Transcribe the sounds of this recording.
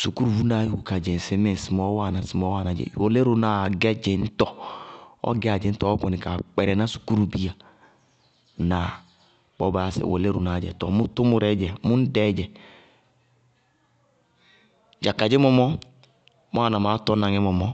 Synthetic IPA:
su˨ku˦ɾu˨vu˦na˨˦hu˨ka˨d͡ʒe˨n˨si˨˦me˦˨n˨si˨mo˦wa˦˨na˨si˨mo˦wa˦˨na˨d͡ʒɛ̰˨wo˨le˦ɾu˨na˨ɡɛ˦d͡ʒe˨n̩˦tɔ˦ | ɔ̰˦ɡe˦a˨d͡ʒe˨n̩˦tɔ˦ko˨ni˨ka˨k͡pɛ˨ɾɛ˨na˦su̥˨ku˦ɾu˦bi˦a˨ | na˨ | bɔ˦ba˦˨sḛ˨wo̰˨le˦ɾu˨na˨d͡ʒɛ̰˨tɔ˨mu˦tu˦mu˨˦ɾɛ˦d͡ʒɛ˨mu˦n̩˦dɛ˦d͡ʒɛ˨ | d͡ʒa˨ka˨d͡ʒe˦mɔ˦mɔ˦ | mo˦a˨na˨ma˦tɔ˦na˨ŋe˦mɔ˨mɔ˦

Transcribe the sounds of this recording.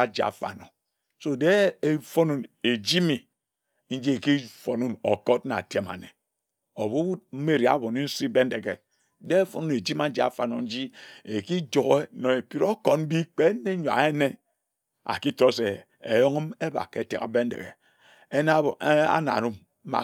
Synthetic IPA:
a˨d͡ʒi˨a̰˨fa̰˨no˨ | so˦de˦e˦fo˦nu˨ne˨d͡ʒi˦mi˨ | n̩˦d͡ʒi˦e˨ki˦fo˨nu˦no̰˨ko˦t̚na̰˨te˦ma̰˨ne˨ | o˨βu˦u˦m̩˦me˦ɾi˨a̰˦˨˦bo˨ni˦n̩˦si˦be˦n̩˦de˨kḛ˨ | de˦e˦fo˨nu˦ne˨d͡ʒi˦ma˨n̩˦d͡ʒi˦a̰˨fa˨no̰˨n̩˦d͡ʒi˦e˨ki˦d͡ʒo˨ɣe˦no˨e˨pi˦ɾo˦ko˨n˦bi˦k͡pe˦ne˦ɲ˨a̰˨e˦ne˦ | a̰˨ki˦to˦se˨ | e˨jo˦ŋi˦me˦ba̰˨ke˨tḛ˨ka̰˨be˦n̩˦dḛ˨ɣḛ˨ | e˦n˦˨˦a̰˦na̰˨ɾu˦m̩˦ | a̰˨

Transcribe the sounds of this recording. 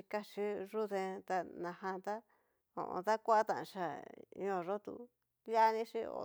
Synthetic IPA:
i˧ka˦ʂi˦ʐu˦ðẽ˧t̪a˧nã˧hã˧t̪a˦ | õ̰˨ʔõ̰˧d̪a˦kʷa˦a˦t̪ã̰˧˨ʔã̰˧ʂa˨ɲõ˧˨ʐo˦t̪ṵ˧ | ja˦˧nĩ˦ʂi˦o̰˧

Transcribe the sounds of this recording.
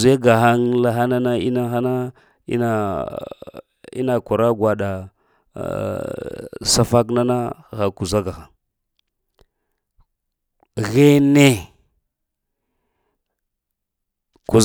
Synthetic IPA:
ze˦ɡa˨xa˦ŋla˨xa˦na˦na˦ḭ˦na˦xa˦na˦ | ḭ˦na˨ | ḭ˦na˨kʷa˨ɾa˦ɡʷwa˨ɗa˨ | sa˦fa˦k̬na˦na˦˨ɣa˨ku˨za˦ɡa˨xa˨ŋ | ɣe˦ne˦ | ku˨z

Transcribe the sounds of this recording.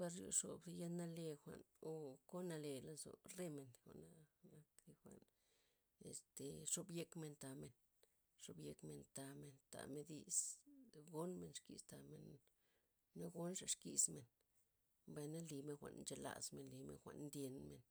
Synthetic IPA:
pa˧ɾɾṵ˧ʂo̰˨bja˦na˦le˧xʷa̰˨n | o˧ko˦na˧le˧la˧zo̰˨re˦me˧nxo˨na˧na˧˦kli˧xʷa̰˨n | ḛ˧st̪e˨ʂo˧bje˧kme˧nt̪a˧me˨n | ʂo˧bje˧kme˧nt̪a˧me˧nt̪a̰˨me˧d̪ḭ˧sɡo˦nme˧˨nʂkḭ˨st̪a˧me˨nː | a˦ɡo˦nʂa˨ʂki˨sme˨n | mba˧jna˦li˧me˧nxʷa̰˨ʔnnt͡ʃe˧la̰˧sme˨nli˧mḛ˧nxʷa̰˧˨nnd̪je˧nme˨n

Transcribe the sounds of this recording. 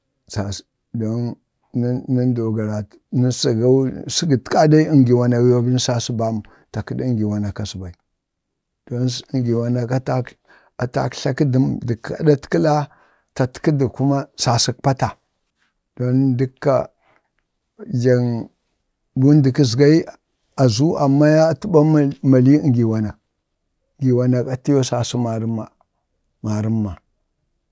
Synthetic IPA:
sa˨s | do˦n˦ | ni˦ndo˨ɡa˨ɾa˨ | ni˦sa˨ɡa˦si˦ɡi˨tka˦da˦i˦i˦ŋɡi˨wa˨na˨wi˦ja˦bi˦n˦sa˦si˦ba˦m˨ | ta˨ki˦dŋɡi˨wa˨na˨ka˨si˨ba˨i˨ | d̥o˦n˦ŋɡi˨wa˨na˨ka˦ta˦ | a˨ta̰˨kɬa˦ki˦di˨mdə˨ka̰˨da˦tki˦la˦ | ta˨tki˦di˨ku˦ma˦sa˨si˦k̚pa˦ta˨ | d̥o˦ndi˦kːa̰˨ | d͡ʒa˨ŋ | bu˦ndi˨ki˦zɡa˦i˦ | a˨zu˦a˨mːa˦ja˦tu˦ba˦ma˨li˦ŋɡi˨wa˨na˨ | ŋɡi˨wa˨na˨ka˨ti˦jo˦sa˨si˦ma˨ɾi˦ma˨ | ma˨ɾi˦mːa˨

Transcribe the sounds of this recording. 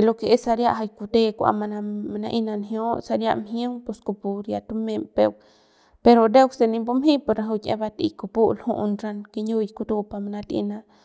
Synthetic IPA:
lo˧ke˧e˦sa˧ɾja˦˧ʔɦa˧jku˧t̪e˦kʷa̰˧˨ma˧na˧ma˧na˧ʔi˧na˧nɦjo˦sa˧ɾja̰˧ʔmɦjə˦ŋpu˧sko˧pu˧ɾja˧t̪u˧me˧mpe˧w | pe˧ɾo˧d̪e˦wse˧ni˧mbu˦mɦĩ˦po˧ɾna˧ɦu˧kʲḛ̃˧˦ba˧t̪ḭ˧ko˧pu˦lhṵ˦˧ʔnɾa˧nke˧ɲu˧jku˧t̪u˧pa˧ma˧na˧t̪ḭ˧na˧

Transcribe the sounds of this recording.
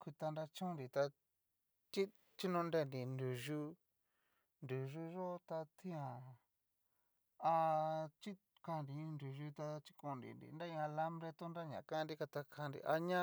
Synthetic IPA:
ku˧t̪a˧nɾa˧t͡ʃũ˦nɾi˨t̪a˧ | t͡ʃi˦ | t͡ʃi˦nõ˧nde˧˨ndi˨nd̪u˨ʒu˧ | nd̪u˨ʐu˧ʐo˦t̪a˧t̪ʰĩ˦ã˨ | a˧t͡ʃi˦ | kã˧˨nɾĩ˨˧ndu˨ʒu˧t̪a˧t͡ʃi˦kõ˧˨ndḭ˨ndḭ˨nda˦ĩ˧ã˧la˦mbɾe˧t̪o˦nɾa˦ɲã̰˨kã˦˧ndi˦ka˧t̪a˧kʰã˧ndḭ˧ʔa˧ɲã˦

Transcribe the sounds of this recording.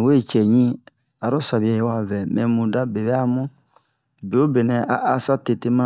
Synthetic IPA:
we˦e˨t͡ʃɛ˨ɲĩ˦ | a˨ɾõ˦sa˨bi˨˦a˨je˦wa˦˨vɛ˨mɛ̃˨mũ˨da˦be˨bɛ˦a˦mũ˦ | be˨o˦be˨nɛ˨a˨ʔa˨sa˦te˨te˦mã˦

